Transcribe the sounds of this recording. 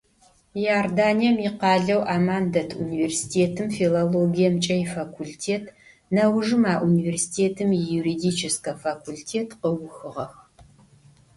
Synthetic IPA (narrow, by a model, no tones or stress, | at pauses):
jardaːnijɐmiːqɑːɮɐwʔaːmaːndɐtʰṵniversi̥tʰeːtʰɨmfiloloɡijɐmt͡ʃʼɐjfakʷʰultʰeːtʰ | nɐwʐɨmaːʔuniversi̥tʰeːtʰɨmjuɾidit͡ʃʰɪskɐfakʰultʰeːtʰqəwʊxɨʁɐx